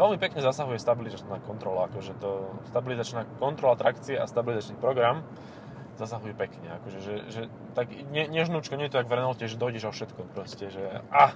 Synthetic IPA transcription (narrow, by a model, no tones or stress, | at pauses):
ʋɛlmipɛkɲɛzasaɦujɛst̪abilizat͡ʃnaːkɔnt̪ɾɔlaakɔʒɛt̪ɔst̪abilizat͡ʃnaːkɔnt̪ɾɔlat̪ɾakt͡siɛʔa̰st̪abilizat͡ʃnipɾɔɡɾam | zasaɦujɛpɛkɲɛa̰kɔʒɛʒɛʒɛ | t̪aɡiɲɛɲɛʒnuːt͡ʃkɔɲɛjɛt̪ɔt̪aɡʋrɛnɔlscɛʒɛd̪ɔiɟɛʒɔfʃɛt̪kɔpɾɔscɛʒɛa